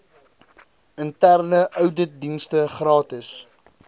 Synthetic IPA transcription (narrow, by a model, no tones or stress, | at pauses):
əntærnəʔœwdədinstəχrɑːtəs